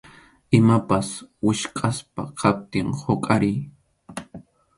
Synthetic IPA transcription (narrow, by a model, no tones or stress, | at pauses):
ɪmapaswɪʃkʼaspa̰qʰap̚t̪ɪŋhokʼaɾɪj